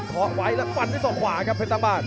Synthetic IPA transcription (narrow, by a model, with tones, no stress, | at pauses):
kʰɔː˨˦wa˦˥jlɛː˦˥fa˧˩nːiː˦˥˩sɔː˨˩kʰwaː˨˩˦kʰa˦˥pʰːe˦˥t̪aː˧baː˧˩n̚